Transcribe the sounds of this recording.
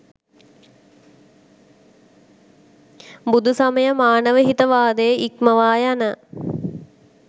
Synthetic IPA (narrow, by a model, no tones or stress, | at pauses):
bud̪ʱusaməjəmaːnəʋəɦit̪əʋaːd̪əjəʔikməʋaːjanə